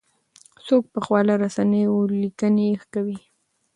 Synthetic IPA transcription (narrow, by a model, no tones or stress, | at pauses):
sok̚pəxwɑlaɾasanəjolikənexkawi